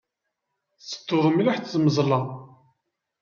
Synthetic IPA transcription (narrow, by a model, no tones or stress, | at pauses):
sːə̥t̪ːoðˤəmilaħθzməzˤlɑ